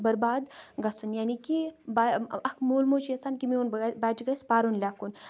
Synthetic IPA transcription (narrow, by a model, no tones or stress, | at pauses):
bɐɾbaːd̪ɡɐsunjaːnikibaɐkmoːlmoːt͡ʃiɐsaːnkimiunbaːt͡ʃɡɐspaːɾunlʲaːkun